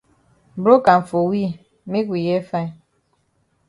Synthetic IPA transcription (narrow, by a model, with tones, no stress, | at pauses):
bɾo˦ka˨ɱ̩˨fo˨wi˦ | mi˦kʷi˨jɛ˦fa˦˨